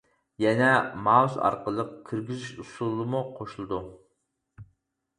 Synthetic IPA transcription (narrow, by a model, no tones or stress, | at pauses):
jɛnɛmɑzɑ̰ɾqəlˠəqkʲʰiɾɡʲiziʃusulˠɨmuqʰoʃulˠɨd̪u